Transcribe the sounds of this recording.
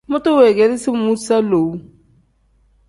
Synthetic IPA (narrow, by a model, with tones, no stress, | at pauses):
mo˦to˦we˨ɡɛ˨˦li˦si˦mu˦sa˦lo˨˦